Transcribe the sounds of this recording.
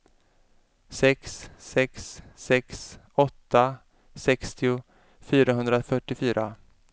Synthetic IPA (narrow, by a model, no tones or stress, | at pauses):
sɛksːɛksːɛks | ɔt̪ːa | sɛkst̪ʰɪʊ | fyːɾaɦɵnd̪ɾafœʈːɪfyːɾʔa